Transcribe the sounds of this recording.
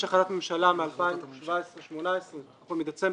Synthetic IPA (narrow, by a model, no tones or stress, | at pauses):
ʃaχaɾatmemʃalamealpajʃvaesʁeʃmonaesʁe | omid̪at͡se